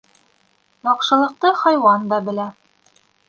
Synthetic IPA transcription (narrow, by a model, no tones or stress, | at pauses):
jɒqʃɤ̆lˠɤ̆q̚t̪ɤhɒjwɑnd̪ɑbɘ̆læ